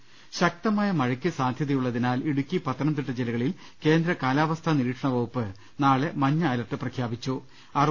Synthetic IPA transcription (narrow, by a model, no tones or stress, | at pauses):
ɕɐk̚t̪ɐmaːjɐmɐɻɐkʲːɨsaːnd̪ʱjɐðɐjuɭːɐðinaːliɽukʲːipɐt̪ːɐnɐmt̪iʈːɨd͡ʑelɐɣɐɭil | ke̞ːnd̪ɾɐkaːlaːʋɐst̪ʰaniɾiːʈʂɐɳɐʋɐɣupːɨ | naːɭemɐɲːaːlɐʈːɨprɐkʰjaːbit͡ɕːu | ɐr